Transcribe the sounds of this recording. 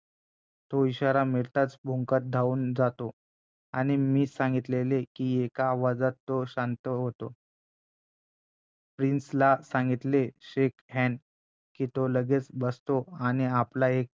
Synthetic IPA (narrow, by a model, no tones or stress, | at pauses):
t̪oiɕaɾamiɭt̪at͡sbʱuŋkət̪̚d̪ʱauːnd͡zat̪o | aɽ̃imiːsãŋɡit̪lelekiːekaːʋad͡zat̪ːoɕant̪əɦot̪o | pɾinslasãŋɡit̪leɕekɦɛn | kiːt̪oləɡet͡sbəst̪oañiaplaek̚